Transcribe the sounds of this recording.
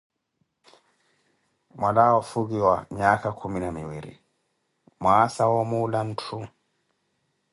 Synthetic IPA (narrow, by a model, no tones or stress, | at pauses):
malawɔfuɡiwaɲaːkakʰuminamiwiɾḭ | maːsawɔmulantʰu